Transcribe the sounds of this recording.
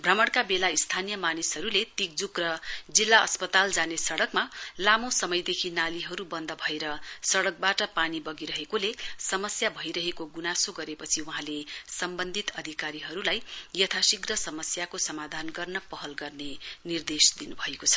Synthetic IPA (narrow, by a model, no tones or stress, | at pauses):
bʱrʌmʌɽkabelaist̪ʰanijʌmanisɦʌɾulet̪ik̚d͡zukrʌd͡zilːaʌ̰spʌt̪ald͡zanesʌɽʌkmalamosʌmʌjd̪ekʰinaliɦʌɾubʌnd̪ʱʌbʱʌeɾʌsʌɽʌk̚baʈʌpanibʌɡiɾʌɦekolesʌmʌsjabʱʌjɾʌɦekoɡunasoɡʌɾepʌt͡sʰiwuɦãlesʌmbʌnd̪ʱit̪ʌd̪ʱikaɾiɦʌɾulajjʌt̪ʰasikɡrʌsʌmʌsjakosʌmad̪ʱanɡʌrnʌpʌɦʌlɡʌrnenird̪esd̪inubʱʌekot͡sʰʌ̥